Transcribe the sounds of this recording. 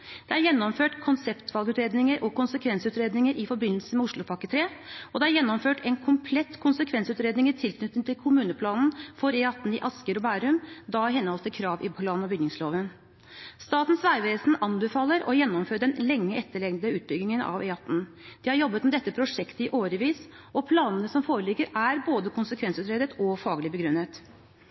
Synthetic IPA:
d̪̥ɛæɾjɛnːɔmføːʈkʰʊnsɛpt̪ʋɑlɡʉːt̪ɾeːd̪nɪŋəɾʔɔkʰʊnsəkʰʋɛnsʉːt̪ɾeːd̪nɪŋəɾʔɪfɔɾbɪnləlsəmɛʊʂɭʊpʰɑkːət̪ʰɾeːɔd̪ɛæɾjɛnːɔmføːʈʰɛnkʰʊmpʰlɛt̪ːkʰʊnsəkʰʋɛnsʉːt̪ɾeːd̪nɪŋət̪ʰɪlkʰnʏt̪ːəŋt̪ʰɪlkʰʊmʉːnəpʰlɑːnn̩fɔɾɛɑt̪ːn̩ɪʔɑskəɾɔbæːɾʉmd̪ɑɦɛnhɑlsəkʰɾɑːʋɪpʰlɑːnnɔbʏɡnɪŋsloːʋən | st̪ɑːt̪nsʋæɪʋeːsn̩ɑnbɛfɑːləɾɔjɛnːɔmføːɖɛnlɛŋːəʔɛt̪ʰːəɭɛɡnd̪əʉːt̪̚bʏɡlɪŋənɑ̰ʋɛɑt̪ːn̩d̪̥ɪhɑɾjɔbːət̪mɛd̪ɛt̪ːəpʰɾʊʂɛkt̪əɪʔoːɾəʋiːs | ɔpʰlɑːnənəsɔmfoːɾəlɪɡːəɾæɾboːd̪əkʰʊnsəkʰʋɛnsʉːt̪ɾeːd̪ət̪ɔfɑːɡlɪbəɡɾʉnːət̪

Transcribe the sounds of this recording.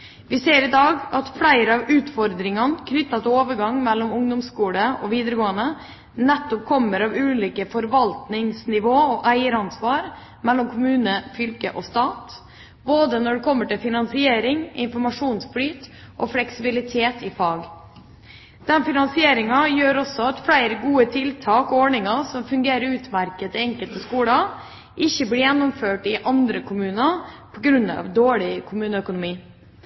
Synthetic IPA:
ʋɪseːɾɪd̪ɑːɡɑt̪fɽæɪɾəɑːʋʉːt̪fɔɾd̪ɾɪŋɑnkʰnʏt̪ːɑt̪ɛoːʋəɾɡɑŋmɛlːɔmʊŋd̪ɔmskuːləɔʋiːd̪əɾəɡoːənə | nɛt̪ːɔp̚kʰɔmːəɾɑʋʉːliːkəfɔɾʋɑlt̪nɪŋsnɪʋoːɔʔæɪəɾɑnsʋɑːɾ | mɛlːɔmkʰʊmʉːnəfʏlkəʔɔst̪ɑːt̪ | boːd̪ənɔɖɛkʰɔmːəʈɪlfɪnɑnsɪeːɾɪŋɪ̰nfɔɾmɑʂuːnsblyːt̪ | ʔɔflɛksɪbɪlɪt̪ʰeːt̪ɪfɑːɡ | d̪̥ɛnfɪnɑnsɪeːɾɪŋɑjøːɾɔsːɔɑt̪fɽæɪɾəɡuːət̪ʰɪlt̪ʰɑːkɔɔːɳɪŋɑsɔmfʉŋɡeːɾəɾʉːt̪mæɾkət̪ɛŋkəlt̪əskuːɽə | ʔɪçːəblɪːjɛnːɔmføːʈɪʔɑnd̪ɾəkʰʊmʉːnəpʰɔɡɾʉnːɑ̰ʋd̪oːɭɪkʰʊmʉːnəœkʊnʊmiː

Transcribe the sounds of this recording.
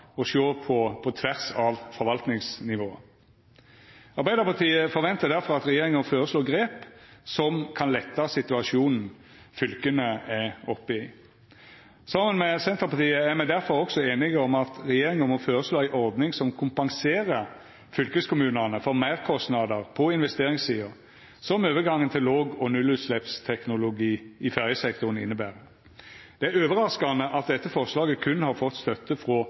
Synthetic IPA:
ɔʃoːpʰɔpʰɔt̪ʰʋæʁsɑʋfɔɾʋɑlt̪nɪŋsnɪʋoːə | ɑɾbæɪd̪əʁpɑʁt̪ʰiːəfɔɾʋɛnt̪əd̪æɾfɔɾɑt̪ɾɛjeːɾɪŋənføːɾəsloːɡɾeːpsɔmkʰɑnlɛt̪ːɑsɪt̪ʉɑʃuːnn̩ | fʏlkənəæɔpːɪ | sɑmənmɛsɛnt̪ʁəpɑt̪ʰiːəæɾmæɪd̪æɾfɔɾɔksɔeːnɪɡəɔmɑt̪ɾɛjeːɾɪŋɔmɔføːɾəsloːæɪʔɔɾd̪nɪŋsɔmkʰʊmpɑŋseːɾə | fʏlkəskʊmʉːnənəfɔʁmæɪʁkʰɔst̪nɑd̪əʁpʰɔɪnʋɛst̪eːɾɪŋssiːʊɾ | sɔmøːʋəɡɑŋːənt̪ʰɪlʋoːɡɔnʉlʉːt̪slɛpst̪ʰɛknʊlʊɡiːʔɪfæʁjəsɛkt̪ʊɾən̩ɪ̰nːəbæːɾə | d̪̥ɛæɾøːʋəɾɑskɑnəʔɑt̪̚d̪ɛt̪ːəfɔʁslɑːɡəkʰʉnhɑɾfɔt̪ːst̪œt̪ːəfʁɔ

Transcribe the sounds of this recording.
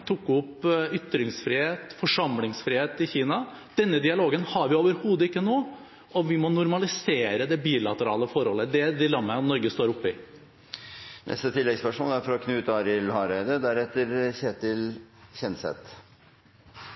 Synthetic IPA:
t̪ʰʊkːʊpːʏt̪ːɾɪŋsfɾɪheːt̪fɔʂɑmlɪŋsfɾɪheːt̪ɪçiːnɑ | d̪̥ɛnːəd̪ɪɑloːɡənhɑɾʋɪoːʋəɾhuːd̪əɪkːənoː | ɔʋɪmɔnʊɾmɑlɪseːɾəd̪ɛbiːlɑt̪əɾɑ̰ːləfɔɾhɔlːəd̪ɛd̪ɪlɑmːənɔɾɡəst̪oːɾʊpːɪ | nʔɛ̰st̪ət̪ʰɪlːɛɡspæʂmɔnæɾfɔɾɔkʰnʉːt̪ɑbɪlhɑɾbæɪd̪əd̪æɾɛt̪ːəɾçeːt̪ɪlçɛnsɛ̰t̪

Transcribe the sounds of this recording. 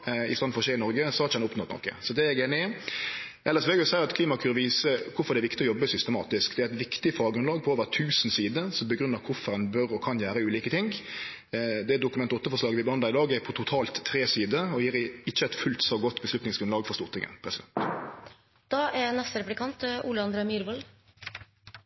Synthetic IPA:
ɪst̪ɑn̩fɔʁɔɕeːɪnɔɾɡəsɔhɑɾɪt͡ʃəɛnʊpnɔt̪nɔ̰kːə̰sɔd̪ɛæɡeːnɪ | ʔɛlːəsʋɛːɡəsæɪəɾɑt̪kʰliːmɑkʰʉːɾʋiːsəkʰʊɾfɔɾd̪ɛæʋɪkt̪ɪɔjɔbːəsʏst̪əmɑ̰ːt̪ɪskd̪ɛæɾɛt̪ʋɪkt̪ɪfɑːɡɾʉnlɑːɡ̚pʰɔoːʋəʁt̪ʰʉːsnsiːd̪əsɔmbəɡɾʉnːɑkʰʊfɔɾɛnbœɾɔkʰɑnjæːɾəʉːliːkət̪ʰɪŋ | d̪ɛd̪ʊkʉmɛnt̪ɔt̪ːəɾfɔʁʂlɑːɡəʋɪbəhɑnd̪ɑʁɪd̪ɑːɡæpʰɔt̪ʰʊt̪ʰɑːlt̪ʰːɾeːsiːd̪əɔjiːɾɪçːəɛt̪fʉlt̪sɔɡɔt̪ːbəslʉt̪nɪŋsɡɾʉnlɑːɡfɔʁst̪ʊʁt̪ʰɪŋə̰npʰɾɛsɪd̪ɛnt̪ | d̪̥ɑːʔɛnɛst̪ɾɛpʉlɪkʰɑnt̪ʔuːləɑnd̪ɾemyːɾbɔl

